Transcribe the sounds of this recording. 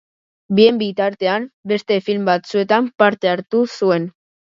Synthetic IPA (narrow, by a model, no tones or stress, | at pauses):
bie̞mbit̪aɾt̪e̞ambe̞st̪e̞filmbat͡sue̞t̪ampaɾt̪e̞aɾt̪usue̞n